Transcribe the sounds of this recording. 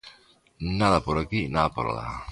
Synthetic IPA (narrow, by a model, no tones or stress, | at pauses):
naðapoɾakinaðapo̰ɾa̰la̰